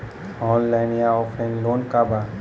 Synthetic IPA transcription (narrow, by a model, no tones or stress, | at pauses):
ɔ̃ːnlaɪnijaɔfʰɛ̃nloːnkaba